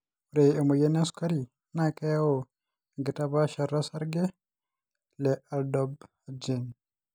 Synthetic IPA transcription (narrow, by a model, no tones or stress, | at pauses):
ɾɛɛmɔjɛnɛnsu̥kaɾi | nakajawɔ | ɡitabaʃaɾasaɾɡɛ | lɛaldɔb | ad͡ʒɛn